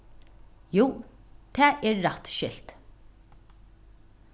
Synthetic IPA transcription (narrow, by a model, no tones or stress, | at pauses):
juːt̪ʰɛːʔɛːɹːɑt̪ʃɪlt̪